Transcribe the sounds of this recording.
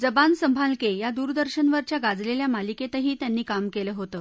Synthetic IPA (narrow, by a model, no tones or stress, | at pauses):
d͡zəbansəmbʱalkejad̪uːɾd̪əɾɕənʋəɾt͡ɕjaɡad͡zleljamaliket̪əɦiːt̪janːiːkamkeləɦot̪əː